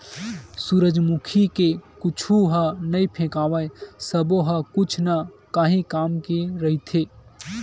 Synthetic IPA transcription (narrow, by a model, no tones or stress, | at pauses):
suːɾəd͡ʒmukʰikekʊt͡ʃʰuɦanɐipʰẽːkaːʋəesəboɦɐkʊt͡ʃʰnakaːɦĩkaːmkeɾɐɦit̪ʰeː